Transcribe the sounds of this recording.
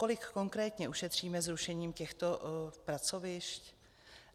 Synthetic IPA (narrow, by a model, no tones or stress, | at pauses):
ko̞lɪkːo̞ŋkɾɛːt̪ɲɛʔuʃɛt̪r̝̥iːmɛzɾuʃɛɲiːmcɛxt̪o̞pɾat͡so̞vɪʃc